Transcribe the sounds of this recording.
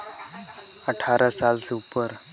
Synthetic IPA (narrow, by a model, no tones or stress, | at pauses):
əʈʰaɾʔasalseupəɾ